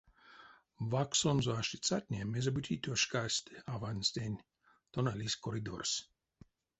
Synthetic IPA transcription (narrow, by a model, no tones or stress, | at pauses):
vaksɔnzɔaʃit͡sat̪ʲnʲemezabut̪ʲʰit̪oʃkasʲt̪ʲavanʲsʲt̪ʲenʲ | t̪onalʲisʲkɔɾid̪o̰rsʲ